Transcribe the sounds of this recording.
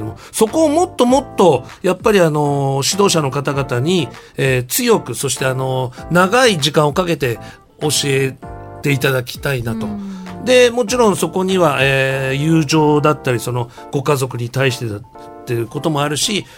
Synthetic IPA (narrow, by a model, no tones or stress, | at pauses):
omoso̞ko̞ːmo̞t̪ːo̞mo̞t̪ːo̞japːaɾʲiano̞ɕid̪o̞ːɕano̞kat̪aɡat̪aɲ̟ieːt͡sɨjo̞kɯ̟so̞ɕi̥t̪e̞ano̞naɡaiʑikãɰ̃okake̞t̪e̞ | o̞ɕie̞t̪e̞it̪ad̪akʲi̥t̪ainat̪o̞d̪e̞mo̞t͡ɕiɾõ̞ɰ̃so̞ko̞ɲ̟iβaʔejɯːʑo̞ːd̪at̪ːaɾʲiso̞no̞ | ɡ̥o̞kazo̞kɯ̟ɲ̟it̪aiɕi̥t̪et̪a | t̪ːeɾɯ̟ko̞t̪o̞mo̞aɾɯ̟ɕi